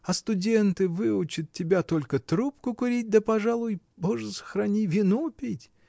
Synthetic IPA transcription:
ɐst̪ʊdʲe̞nt̪ɨvɨʊt͡ɕɪt̪̚tʲːɪbʲat̪o̞lʲkət̪ɾup̚kʊkʊɾʲit̚ʲd̪əpɐʐalˠʊj | boʐɨsə̥xɾɐnʲivʲɪnupʲetʲ

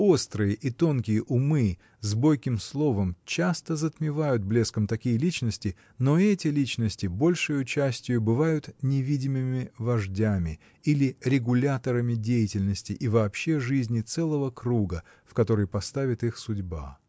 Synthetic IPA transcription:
o̞st̪ɾɨjəʔit̪o̞nkʲɪjəʔʊmɨ | zbo̞jkʲɪmslˠo̞vəmt͡ɕast̪əzət̪mʲɪvajʊt̪̚blʲe̞skəmt̪ɐkʲijəlʲit͡ɕnəsʲtʲɪ | no̞ɛtʲɪlʲit͡ɕnəsʲtʲɪbo̞lʲʂɨjʊt͡ɕæsʲtʲɪjʊbɨvajʊt̪nʲɪvʲidʲɪmɨmʲɪvɐʐdʲamʲɪ | ilʲɪɾʲɪɡʊlʲat̪əɾəmʲɪdʲejɪtʲɪlʲnəsʲtʲɪʔivɐːpɕːe̞ʐɨzʲnʲɪt̪sɛlˠəvəkɾuɡə | fkɐt̪o̞ɾəjpɐst̪avʲɪt̪ɨxsʊdʲba̰

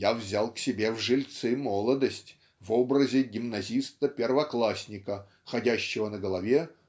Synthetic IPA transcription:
javzʲalˠksʲɪbʲe̞vʐɨlʲt̪sɨmolˠəd̪əsʲtʲ | vobɾəzʲɪɡʲɪmnɐzʲist̪əpʲɪrvɐklˠasʲnʲɪkə | xɐdʲæɕːɪvənəɡəlˠɐvʲe

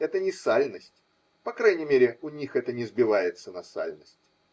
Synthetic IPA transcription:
ɛt̪ənʲɪsalʲnəsʲtʲ | pɐkɾajnʲɪmʲeɾʲɪʊnʲixɛt̪ənʲɪzbʲɪvajɪt̪sənɐsa̰lʲnəsʲtʲ

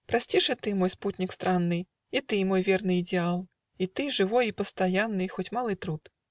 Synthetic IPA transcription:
pɾasʲt͡sʲiʂɨt̪ɨmɔjsput̪ʲnʲikst̪ɾanːɨj | it̪ɨmɔjvʲɛrnɨid̪ʲɛalˠ | it̪ɨʐɨvɔjipɐst̪ajanːɨxɔt͡sʲmalˠɨt̪ɾut̪

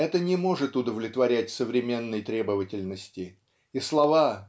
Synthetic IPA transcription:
ɛt̪ənʲɪmo̞ʐɨt̪ʊd̪əvlʲɪt̪vɐɾʲætʲsəvɾʲɪmʲe̞nːəjt̪ɾʲe̞bəvətʲɪlʲnəsʲtʲɪ | islˠɐva

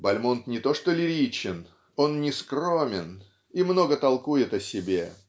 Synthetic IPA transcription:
bɐlʲmont̪nʲɪt̪o̞ʂt̪olʲɪɾʲit͡ɕɪn | o̞nnʲɪskro̞mʲɪn | imno̞ɡət̪ɐlˠkujɪt̪ɐsʲɪbʲe

